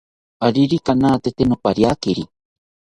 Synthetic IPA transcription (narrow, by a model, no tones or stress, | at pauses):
aɾiɾikanaːt̪et̪enopaɾjakiɾi